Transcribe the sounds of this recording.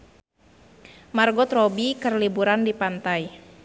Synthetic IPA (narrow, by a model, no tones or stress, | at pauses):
marɡɔt̪rɔbikərlibuɾandipant̪aj